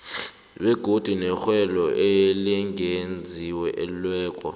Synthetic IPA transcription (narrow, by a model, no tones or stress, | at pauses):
ɓɛɡ̥ʱod̥ʱinɛxwɛlɔʔeliŋend͡zʱiwɛʔɛlulwɛːkʼɔ̰